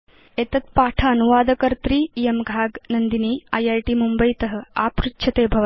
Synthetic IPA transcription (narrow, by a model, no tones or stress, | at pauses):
eːt̪ɐt̪̚paːʈʰaːnuʋaːd̪ʱɐkəɾt̪ɾiːijemɡʱaːɡnɐnd̪iniːaːjaːjʈiːmumbəjt̪ɐɦə̆apɾutːɕʰɐt̪eːbʱɐʋɐ